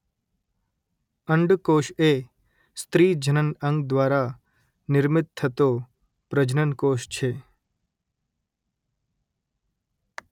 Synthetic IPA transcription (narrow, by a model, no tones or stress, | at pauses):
əɳɖkoːʃe | st̪ɾiːd͡ʒʱənənə̃ŋɡd̪ʋaːɾa | nɪɾmɪt̪̚t̪ʰːət̪o | pɾəd͡ʒnənkoːʃt͡ʃʰeː